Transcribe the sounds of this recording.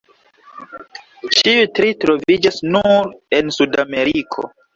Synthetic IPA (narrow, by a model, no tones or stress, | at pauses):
t͡ʃiutɾitɾo̞vid͡ʒasnuɾe̞nsudame̞ɾikʰo̞̰